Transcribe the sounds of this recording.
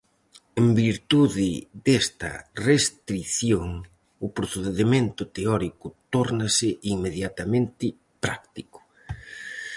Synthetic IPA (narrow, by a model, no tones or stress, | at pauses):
embiɾt̪uðɪðest̪ɐ̰rest̪ɾiθjoŋ | ʊpɾoθeðeðemẽnt̪ʊt̪eɔɾikʊt̪ɔɾnɐsɪʔiŋmeðjat̪ɐmẽnt̪ɪ | pɾa̰kt̪ikʊ̥